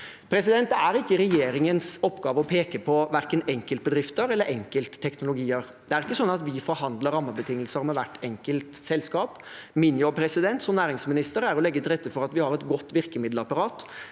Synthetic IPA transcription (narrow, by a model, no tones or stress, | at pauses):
pʰɾɛsɪd̪ɛnt̪̚d̪ɛæɾɪkːəɾɛjeːɾɪŋənsɔpːɡɑːʋəɔpʰeːkəpʰɔʋæɾkənɛŋkəlt̪əbəd̪ɾɪft̪əɾɛlːəɾʔɛŋkəlt̪ə̥t̪ʰːɛknʊlʊɡiːəɾ | d̪̥ɛæɾɪkːəsɔnːɑt̪ʋɪfɔɾɦɑnd̪ləɾɑmːəbət̪ʰɪŋːəlsəɾmɛʋæʈːɛŋkəlt̪sɛlskɑːp | mɪnjɔpʰɾɛsɪd̪ɛnt̪sɔmnæːɾɪŋsmɪnɪst̪əɾæɾɔlɛɡːət̪ʰɪlɾɛt̪ːəfɔɾɑt̪ʋɪhɑɾɛt̪ɡɔt̪ːʋɪɾkəmɪd̪lɑpɑɾɑːt̪